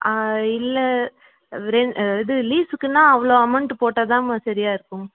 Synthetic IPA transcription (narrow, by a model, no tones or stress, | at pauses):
aɪlːɐ | ɾɛnɪðɯliːsɯkːɯnːãːɐʋɐɭoːɐmɐɳʈɯpoːʈːɐt̪ãːmsɐɾɪjaːɪɾɯkːɯm